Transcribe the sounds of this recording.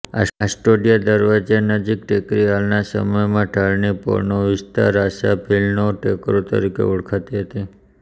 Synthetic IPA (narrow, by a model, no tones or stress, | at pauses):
a̰sasʈoɖijad̪əɾʋad͡ʒenəd͡ʒik̚ʈʰekɾiɦalnasə̰məjmãʈaɭnipɔ̰ɾnoʋɪst̪a̰ɾaʃabilnoʈekɾot̪ə̰ɾikḛuɽkʰat̪iɦət̪i